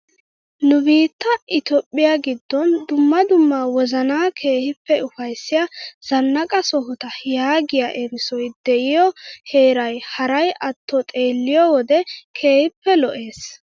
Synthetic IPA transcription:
nʊbiːt̪ːɐʔɪt̪ɔpʼːɪjaɡɪd̪ːɔnd̪ʊmːɐd̪ʊmːawɔzɐnaːkʰe̞ːhɪpːɛʊfɐjsːɪjɐz̥ɐnːɐkʼɐsɔɦʊt̪ɐjaːɡɪjaʔɛɾɪsɔjd̪ɛʔɪjɔhe̞ːɾɐjhɐɾɐjʔɐt̪ːɔt̪ʼe̞ːlːɪjɔwɔd̪ɛkʰe̞ːhɪpːɛlɔʔe̞ːs

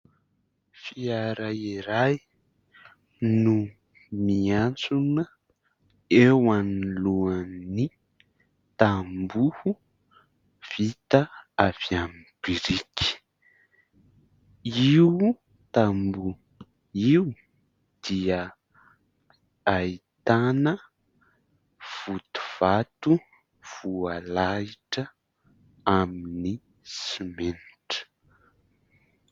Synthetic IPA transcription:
fiaɾaiɾaj | nu | miant͡sunə | ewaniluani | t̪ambuhu | v̥it̪aaviamib̥iɾiki̥ | iw | t̪ambu | iw | d̪̥iə | ait̪anə | v̥ut̪u̥v̥at̪u | v̥ualaiʈ͡ʂə | amini | simenʈ͡ʂə̥

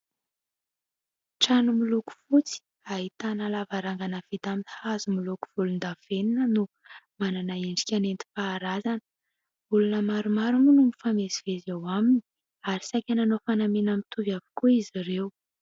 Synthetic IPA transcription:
ʈ͡ʂanumiluku̥fut͡si̥ | aɦit̪analavaɾaŋɡanavid̪aminhazumiluku̥v̥ulund̪av̥eninənu | mananaeɳɖ͡ʐi̥kʲanent̪i̥faːɾazanə | ulunəmaɾumaɾumunumifameziv̥ezewaminii̥ | aɾisajkʲananofanamenamit̪uvavi̥kuiziɾew

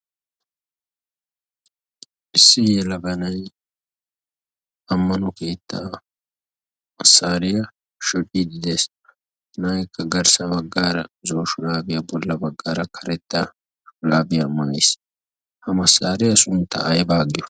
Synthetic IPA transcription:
ʔɪsːɪjeːlɐbɐnɐj | ɐmːɐnʊke̞ːt̪ːa | mɐsːaːɾɪjɐ | ʃɔᶑid̪ɪd̪es | naːjkʰːɐɡɐɾsɐbɐɡːaːɾɐ̰zoːʃʊlaːbɪjɐbɔlːɐbɐɡːaːɾɐkʰɐɾɛt̪ːɐ | ʃʊlaːbɪjɐmɐːɐjs | hɐmɐsːaːɾɪjɐsʊnt̪ːɐ̰ɐjbaːɡɪjɔ

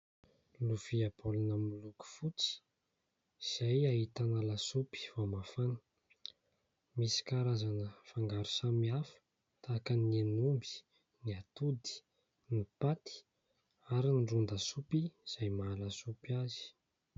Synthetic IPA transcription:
lufiapʰolunəmuluku̥fut͡si̥ | iz̥ajaɦit̪analasupi̥vomafanə̥ | misi̥kaɾazanəfaŋɡaɾu̥samiafə̥ | t̪aːkənenumbi̥ | niat̪ud̪i̥ | nipat̪i̥ | aɾinɖ͡ʐund̪asupiz̥ajmalasupiazi̥

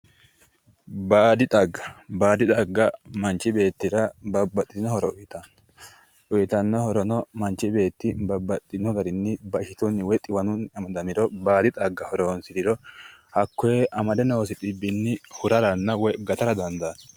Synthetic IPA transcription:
baːd̪ɪt̪ʼɐɡːɐ̥baːd̪ɪt̪ʼɐɡːɐmɐnt͡ʃːɪbe̞ːt̪ːɪɾɐbɐbːɐt̪ʼːɪd̪ɪnɔhɔɾɔʔʊjt̪ɐn | ʔʊjɪt̪ɐnːɔhɔɾɔnɔmɐnt͡ʃːɪbe̞ːt̪ːɪbɐbːɐt̪ʼːɪnɔɡɐɾɪnːɪbɐɪʃɪt̪ʊnːɪwɛt̪ʼːɪwɐnʊnɐmɐd̪ɐmɪɾɔbaːd̪ɪt̪ʼɐɡːɐhɔɾonsɪɾɪɾɔhɐkːɔeʔɐmɐd̪ɛnɔwsɪt̪ʼɪbːɪnːɪhʊɾɐɾɐnːɐwɔjɡɐt̪ɐɾɐd̪ɐnd̪ɐs

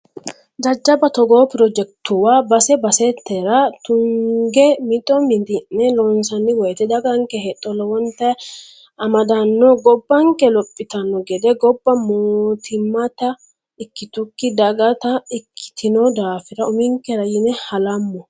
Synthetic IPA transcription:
d͡ʒɐd͡ʒːɐbɐt̪ɔɡoːpɪɾɔd͡ʒɛk̚t̪ʊwaːbɐsɛbɐsɛt̪ːɛɾɐt̪ʊŋɡɛmɪt̪ʼːɔmɪnd̪ɪnːɛlɔnsɐnːɪwɔjt̪ɛd̪ɐɡɐŋkɛhɛt̪ʼːɔlɔwɔnt̪ɐ | ɐmɐd̪ɐnːɔɡɔbːɐŋkɛlɔpʼːɪt̪ɐnːɔɡɛd̪ɛɡɔbːɐmoːt̪ʰɪmːɐt̪ɐ | ɪkːɪt̪ʊkːɪd̪ɐɡɐt̪ɐɪkʰːɪ̥t̪ʰɪnɔd̪aːfɪɾɐʊmɪŋkɛɾɐjɪnɛhɐlɐmːɔ

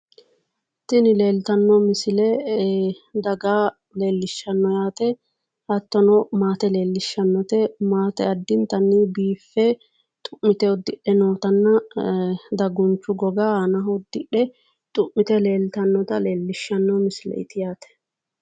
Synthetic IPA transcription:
t̪ɪnɪle̞ːlt̪ɐnːɔmɪsɪlɛ | d̪ɐɡaː | le̞ːlːɪʃːɐnːɔjaːt̪ɛ | hɐt̪ːɔnɔmaːt̪ɛle̞ːlːɪʃːɐnːɔt̪ɛmaːt̪ɛɐd̪ːɪnt̪ɐnːɪbiːfːɛ | t̪ʼʊmːɪt̪ɛɔd̪ːɪɗːɛno̞ːt̪ɐnːɐ | d̪ɐɡʊnt͡ʃːʊɡɔɡaːhɐnɐɦɔd̪ːɪɗɛ | t̪ʼʊʔːɪt̪ɛle̞ːlt̪ɐnːɔt̪ɐle̞ːlːɪʃːɐnːɔmɪsɪlɛ̰ɪ̰t̪ɪjaːt̪ɛ̥

